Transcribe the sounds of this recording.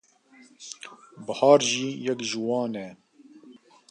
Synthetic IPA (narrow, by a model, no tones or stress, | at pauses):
bɨhɑːɾʒiːjɛkʒɨwɑːnɛ